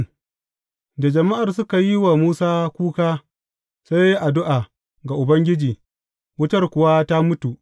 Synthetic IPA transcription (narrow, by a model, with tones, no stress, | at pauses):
da˨d͡ʒɐ˨ma˦ʔa˨rsʊ˦ka˨ji˦wa˨muː˦saː˦kʷuː˦kaː˦ | sa˦jji˦ʔa˨dʊ˦ʔa˨ | ɡa˨ʔʊ˨bɐ˦ŋɡʲɪ˦d͡ʒiː˨ | wʊ˦tɐ˦rkʷʊ˨wa˦ta˦mʊ˦tu˨ʔ